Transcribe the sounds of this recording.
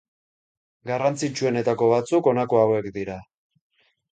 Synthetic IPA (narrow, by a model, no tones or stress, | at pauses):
ɡarant͡sit͡ʃue̞ne̞t̪ako̞βat͡suko̞nakoawe̞kd̪iɾa